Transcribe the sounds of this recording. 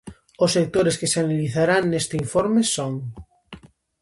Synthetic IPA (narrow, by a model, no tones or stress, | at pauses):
ʊsek̚t̪oɾeskeseanaliθaɾaŋnest̪eiɱfoɾmesoŋ